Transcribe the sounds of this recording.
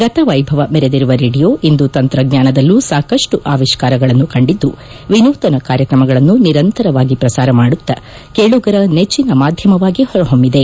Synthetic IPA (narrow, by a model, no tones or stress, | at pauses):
ɡɐt̪ɐʋɐjbʱɐʋɐmɛɾe̞d̪iɾuʋɐɾeːɖijo̞ːʔind̪ut̪ɐnt̪ɾɐɡɲaːnɐd̪ɐlːusaːkɐʂʈuʔaːʋiʃkaːɾɐɡɐɭɐnːukɐɳɖid̪ːu | ʋinuːt̪ɐnɐkaːɾjɐkɾɐmɐɡɐɭɐnːuniɾɐnt̪ɐɾɐʋaːɡipɾɐsaːɾɐmaːɽut̪ːɐ | keɭuɡɐɾɐnet͡ʃːinɐmaːd̪ʱjɐmɐʋaːɡihɔɾɐɦombid̪e̞